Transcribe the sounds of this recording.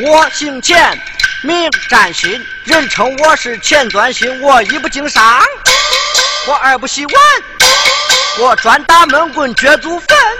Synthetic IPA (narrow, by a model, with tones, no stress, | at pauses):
wɔ˥˩ɕi˥˧ŋt͡ɕʰjɛ˥˩n | mi˥˩ʈ͡ʂa˨˩nɕi˧˥ŋ | ɻə˥˩nʈ͡ʂʰɤ˧˥ŋwɔ˥ʂɻ̩˥˩t͡ɕʰjɛ˥˧nt͡swa˧˥nɕi˧˥ŋwɔ˨˩i˧˥p̬u˧˩t͡ɕi˧˥ŋʂa˧˥ŋ | wɔ˧˥ʔə˞˨˩˥p̬u˧˥ɕi˧˥wa˥˧n | wɔ˨˩ʈ͡ʂwa˧˥nt̪a˥mə˧˥nkwə˧˩nt͡ɕɥɛ˧˥t͡su˧˥fə˥˧˩n